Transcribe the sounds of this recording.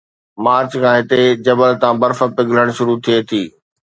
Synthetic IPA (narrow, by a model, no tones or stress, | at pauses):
maːɾt͡ɕkʰãːɦɪt̪ed͡ʑɐbəlt̪ãːbɐɾfə̆pɪɡʱləɽ̃ʃʊɾut̪ʰiet̪ʰiː